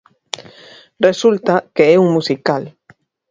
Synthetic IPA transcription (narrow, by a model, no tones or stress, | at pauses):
result̪akeɛuŋmusikal